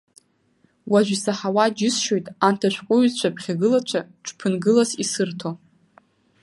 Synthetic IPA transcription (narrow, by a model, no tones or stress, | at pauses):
waʒʷᶣisaħawad͡ʒɪsʃo̞jtʼantʰaʃᶣʷqʷʼʊɥzt͡ɕʷʰapʰχʲaɡɨlat͡ʃʷʰaʈ͡ʂʰʷʼpʰɨnɡɨlasisɨrtʰo